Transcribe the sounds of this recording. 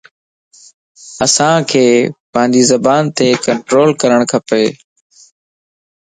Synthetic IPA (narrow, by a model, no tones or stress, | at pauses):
əsãːkʰeːpãːnd̪iːzəbaːnt̪eːkəɳʈɾoːlkəɾəɽ̃kʰəpeː